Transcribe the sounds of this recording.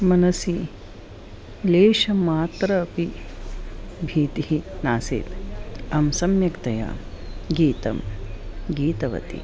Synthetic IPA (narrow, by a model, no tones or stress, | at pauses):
mɐnɐsi | leːʃɐmaːt̪ɾɐːpi | bʱiːt̪iɦinaːsḛːt̪ɐmsɐmjɐkt̪ɐja̰ː | ɡiːt̪ɐ̰m | ɡiːt̪ɐʋɐ̰t̪ḭ